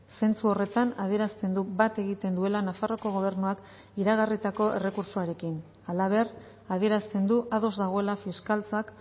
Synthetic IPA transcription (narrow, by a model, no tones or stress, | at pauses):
se̞nt͡suo̞re̞t̪anaðie̞ɾast̪e̞nd̪ubat̪e̞ɣit̪e̞nd̪ue̞lanafaro̞ko̞ɣ̞o̞β̞e̞ɾnuak | iɾaɣ̞arit̪ako̞e̞̰re̞kuɾsoaɾe̞kin | alaβ̞e̞r | að̞ie̞ɾast̪e̞nd̪uʔaðo̞zd̪aɣ̞o̞e̞lafiskalt͡sak